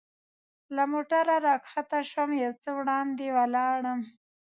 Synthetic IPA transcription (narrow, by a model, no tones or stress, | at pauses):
lamoʈaɾaɾɑkxat̪aʃəmjawt͡səwɽɑnd̪ewalɑːɽəm